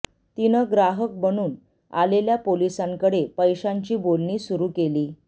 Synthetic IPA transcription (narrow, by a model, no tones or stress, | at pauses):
t̪inəɡɾaɦək̚bəɽ̃uːn | a̰leljapolisaŋkəɽepəjɕaɲt͡ɕiːbolɳiːsuɾuːkeliː